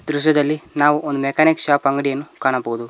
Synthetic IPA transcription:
d̪ɾuʃ̬jɐd̪ɐlːinaːʋuʔond̪umekaːnikʃaːpɐŋɡɐɽijɐnːukaːɳɐboːud̪u

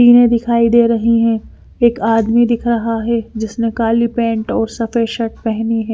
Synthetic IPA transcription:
iːnẽd̪ɪkʰaːid̪eːɾɐɦiɦɛ̃ | eːkaːd̪mid̪ɪkʰɾɐɦaɦɛd͡ʒɪsnekaːlipɛ̃ːɳʈɔːɾsɐfəʃɐʈ̚pɛɦniɦɛː

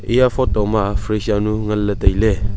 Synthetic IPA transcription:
iafɔtɔmafɾesanuŋəllətəile

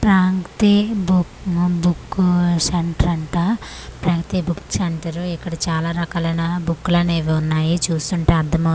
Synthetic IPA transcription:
pɾaːŋkt̪ibubukːsɐɳʈɐɾɐɳʈapɾaːŋkt̪ibuksɐɳʈɐɾuikːɐɽɐt͡ʃaːlaːɾɐkaːlɐjnabukːulɐːneːʋiunːaːjit͡ʃuːst̪uɳʈeːɐɾd̪ʱɐmɐ

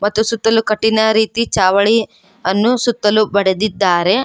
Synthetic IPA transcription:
mɐt̪ːusut̪ːɐlukɐʈːinɐɾiːt̪it͡ʃaːʋɐɭi | ɐnːusut̪ːɐlubɐɽed̪id̪ːaːɾe̞

